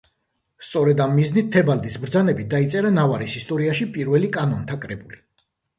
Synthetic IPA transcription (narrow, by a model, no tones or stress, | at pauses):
st̪sʼɔɾɛd̪amːiznit̪ʰːɛbald̪isbɾd̪zanɛbit̪̚d̪ait̪sʼɛɾanavaɾisist̪ʼɔɾiaʃipʼiɾvɛlikʼanɔnt̪ʰakʼɾɛbuli